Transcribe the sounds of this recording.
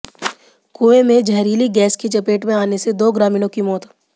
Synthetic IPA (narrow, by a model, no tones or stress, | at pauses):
kuːemẽd͡ʒɐɦɾiːliɡɛːskit͡ʃɐpeːʈmẽaːnesed̪oːɡɾaːmiːnõkimɔːt̪